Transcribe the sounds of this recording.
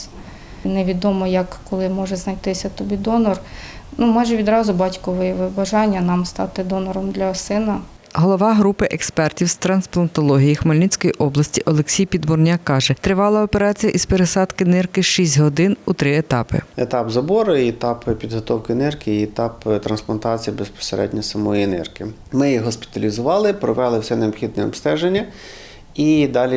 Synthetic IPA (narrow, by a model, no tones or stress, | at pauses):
neʋʲid̪ɔmɔjɐkːɔlˠɪmɔʒɛznɐjt̪ɪsʲɐt̪ɔbʲid̪ɔnɔr | numɑjʒɛʋʲid̪ɾɑzʊbɑtʲkɔʋɔjɛʋɪbɐʒɑnʲːɐnɑmst̪ɑ̰t̪ɪd̪ɔnɔɾɔmd̪lʲɐsɪnɐ | ɦɔlˠɔʋɑɦɾupɪʔekspɛrtʲiwst̪ɾɐnsplˠɐnt̪ɔlˠɔɦʲijixmɐlʲnʲit͡sʲkɔjiʔɔblˠɐsʲtʲiʔɔlˠeksʲijpʲid̪bʊrnʲakɑʒɛt̪ɾɪʋɑlˠɐɔpeɾɑt͡sʲijɐʔispeɾesɑd̪kɪnɪrkɪʃisʲtʲɦɔd̪ɪnut̪ɾɪet̪ɑpɪ̰et̪ɑpzɐbɔɾʊɛt̪ɑppʲid̪ɦɔt̪ɔwkɪnɪrkɪːt̪ɑpt̪ɾɐnsplˠɐnt̪ɑt͡sʲijibespɔ̥seɾʔɛ̰dʲnʲɐsɐmɔjinɪ̰rkɪ | mɪjiɦɔspʲɪ̥t̪ɐlʲizʊʋɑlˠɪpɾɔʋɛlˠɪwsʲɛneɔpxʲid̪̚nɛɔ̰pst̪ɛʒenʲːɐ | id̪ɑlʲi